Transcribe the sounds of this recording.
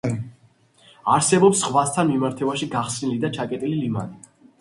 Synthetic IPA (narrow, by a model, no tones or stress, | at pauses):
aɾsɛbɔpsχvast̪ʰanmimaɾt̪ʰɛvaʃiɡaχsnilid̪at͡ʃʰakʼɛt̪ʼililima̰ni